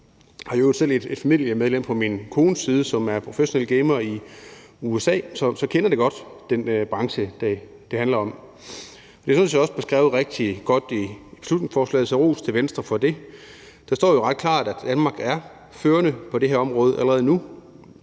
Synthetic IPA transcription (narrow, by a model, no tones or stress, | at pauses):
hɑ̈josel̰ed̥e̝d̥fæmḭljɐmeð̞ˠlem̰pʰɒ̽minkʰo̝ːnəsiːð̞ˠəsɒ̽mæɐpʰʁo̝feɕo̝neləɡ̥eɪmɐi | uesɛ̰ːsɒ̽sɒ̽kʰenɐd̥e̝ɡ̥ɒ̽d̥d̥enb̥ʁɑ̈ŋɕəd̥æ | d̥e̝hænlɐɒ̽m | ɒ̽d̥e̝synsjɑɒ̽sb̥e̝sɡ̥ʁɛ̰ːʊʁeɡ̥̚d̥iɡ̥ɒ̽d̥ib̥e̝slud̥ne̝ŋsfɒːslɛ̰ːð̩ˠsʰæʁo̝̰ːst͡sʰe̝ʋensd̥ʁɐfɒ̽d̥e̝ | d̥ɑ̈sd̥ɒ̰ːjoʁɑ̈d̥̚kʰl̥ɑ̰̈ːd̥æd̥ænmɑ̈ɡ̥æɐ | føːɐnəpʰɒ̽d̥e̝ɦeɐɒmʁɔ̽ːð̞ˠʔæləʁɛːð̞̩ˠnu